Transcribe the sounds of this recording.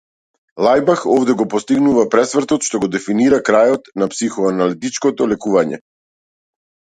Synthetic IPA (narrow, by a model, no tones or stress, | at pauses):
lˠajbaxɔvd̪ɛɡɔpɔst̪iɡnuvapɾɛsvrt̪ɔt̪ʃt̪ɔɡɔd̪ɛfiniɾakɾajɔt̪napsixɔanalit̪it͡ʃkɔt̪ɔlɛkuvaɲɛ̰